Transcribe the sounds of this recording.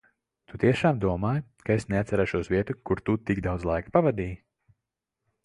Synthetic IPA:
t̪ut̪iɛʃaːmd̪uɔmaːjkaesneat̪saɾaʃuɔsviɛt̪ukuɾt̪ut̪iɡd̪awd̪zlˠajkḁpavad̪iːj

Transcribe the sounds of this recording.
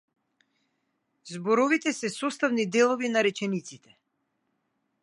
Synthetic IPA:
zbɔɾɔvit̪ɛsɛsɔst̪avnid̪ɛlˠɔvinaɾɛt͡ʃɛnit̪sit̪ʰɛ̥

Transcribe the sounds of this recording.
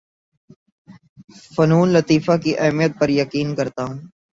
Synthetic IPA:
fənuːnlət̪iːfaːkiʔɛɦmijət̪̚pəɾjəkiːnkəɾt̪aːɦũː

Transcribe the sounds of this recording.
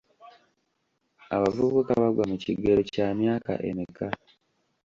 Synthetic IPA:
a̰βavukukaβaɡwamuciɡeɾocaːmjaːka̰ʔḛmika

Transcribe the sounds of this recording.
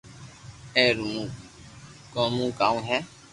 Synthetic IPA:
ɛɾumũ | kɔ̃mũkaũɦɛ̃

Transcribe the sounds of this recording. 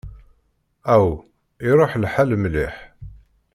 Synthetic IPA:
æw | iɾˤoħlħalmliħ

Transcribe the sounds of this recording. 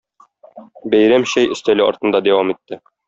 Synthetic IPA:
bæjɾæmɕæjɵ̆st̪ælɘɒ̰ɾt̪ɤ̆nd̪ɑd̪æwɑmit̪ːɘ

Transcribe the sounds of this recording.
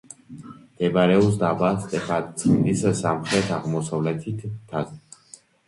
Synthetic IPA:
d̪̥ɛbaɾɛus̬d̪abast̪ʼɛpʰat̪ʼt̪sʰid̪issamχɾɛt̪ʰaʁmɔsavlɛt̪ʰit̪ʰːaz

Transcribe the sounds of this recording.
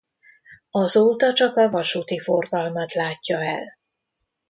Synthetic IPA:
ɒzoːt̪ɒt͡ʃɒkɒvɒʃuːt̪ifo̞rɡɒlmɒt̪laːcːɒɛl

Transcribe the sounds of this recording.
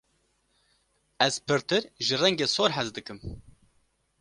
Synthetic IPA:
ɛz̥pʰɨɾt̪ɨɾʒɨrɛŋɡeːsoːɾɦɛzd̪ɨkɨm

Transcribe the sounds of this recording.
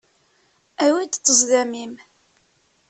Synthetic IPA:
æwid̪t͡s̪ːəzˤðæmim

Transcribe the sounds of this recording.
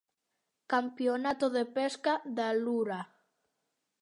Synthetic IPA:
kampjonat̪oðepeskaðaluɾa

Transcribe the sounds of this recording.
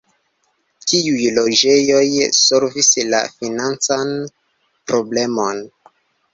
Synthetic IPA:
tiujlod͡ʒe̞jo̞jso̞lvisla̰finant͡san | pɾo̞blemo̞n

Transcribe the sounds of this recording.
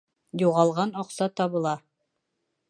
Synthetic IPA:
juʁɑlˠʁɑnɒqsɑt̪ɑβɤ̆lˠɑ

